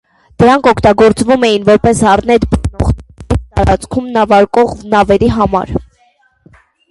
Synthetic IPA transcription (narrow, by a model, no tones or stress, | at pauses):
d̪̥əɾɑŋkʰɔkʰt̪ɑɡɔɾt͡svumɛjinvɔɾpɛshɑɾnɛt̪bənɔʁit̪ɑɾɑ̰t͡skʰumnɑvɑɾkɔʁvnɑvɛɾiɦɑmɑ̰ɾ